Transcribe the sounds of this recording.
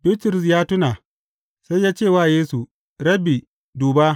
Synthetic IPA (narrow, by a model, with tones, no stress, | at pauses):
bi˦tɾʊ˨s̬jaː˦tʊ˦na˨ | sa˦jjaː˦t͡ʃeː˦˨waː˦˨jeː˦su˨ | ɾɐ˦bi˨ | duː˨ba˦